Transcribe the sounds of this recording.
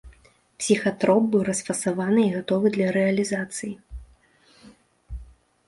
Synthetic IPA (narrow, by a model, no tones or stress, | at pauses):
psʲixat̪ɾɔp̚bɨwɾɐsfɐsavanɨiɣat̪ɔvɨd̪lʲɐɾɛɐlʲizat̪sɨji